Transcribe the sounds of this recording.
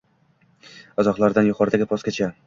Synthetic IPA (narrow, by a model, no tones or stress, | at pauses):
azɒqlˠaɾd̪anjʊqʰɒɾd̪aɡʲɪpʰɒskʲat͡ʃʰa